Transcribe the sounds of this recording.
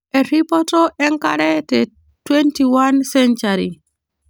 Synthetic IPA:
ʔɛɾipɔtɔʔɛŋkaɾɛtɛ | twentiwansɛnt͡ʃaɾi

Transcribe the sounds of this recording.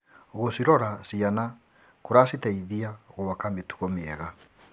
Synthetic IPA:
ɣosiɾɔɾasiana | koɾasitaiðiaoɣowakametu̥ɣɔmeɛɣa

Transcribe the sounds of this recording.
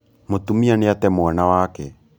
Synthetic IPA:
motumianeatɛmwanawaːkɛ

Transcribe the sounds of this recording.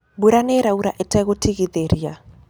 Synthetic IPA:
buɾaneɾauɾaʔetɛɣotiɣeðeɾija

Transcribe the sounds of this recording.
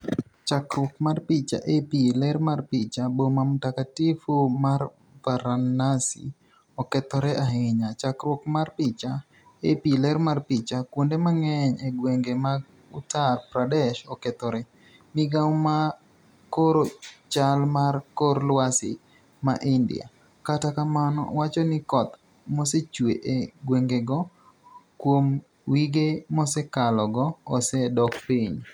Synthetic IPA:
t͡ʃakɾwɔkmarpit͡ʃa̰ʔepilɛɾmarpit͡ʃabomamtakatifumar | vaɾanasḭ | ɔkɛt̪ɔɾɛʔaɦɪɲat͡ʃakɾwɔkmarpit͡ʃa | epilɛɾmarpit͡ʃakwundemaŋɛɲeɡweŋɡemaɡ | utarpɾadɛʃɔkɛt̪ɔɾɛ | mɪɡawma | koɾot͡ʃalmarkorlwasɪ̰ | ma̰ʔɪndɪ̰a̰ | katakamanɔ̰wat͡ʃɔnɪkɔt̪ | mɔset͡ʃweʔeɡweŋɡeɡɔ | kwom | wiɡemɔsɛkalɔɡɔːsɛdɔkpiɲ

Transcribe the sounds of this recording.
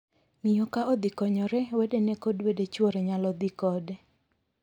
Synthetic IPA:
ŋijokaɔd̪ikɔɲɔɾɛwedenɛkodwedet͡ʃwoɾeɲalɔd̪ikɔdɛ

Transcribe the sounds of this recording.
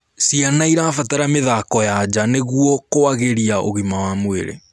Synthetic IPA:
sianaiɾafataɾameðakɔjad͡ʑaneɣuɔkoaɣeɾiaoɣimawamweɾḛ

